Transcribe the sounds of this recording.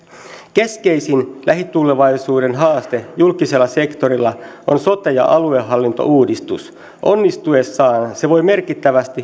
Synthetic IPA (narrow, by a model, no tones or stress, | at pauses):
ke̞ske̞jsinlæɦit̪ːulːeʋɑjsuːde̞nɦɑːst̪ejulkise̞lːɑse̞kt̪o̞ɾilːɑʔonso̞t̪ejɑ̰ʔɑlueɦɑlːint̪o̞̰ʔuːdist̪us | ʔo̞nːist̪ue̞sːɑːnse̞ʋo̞jme̞rkit̪ːæʋæst̪i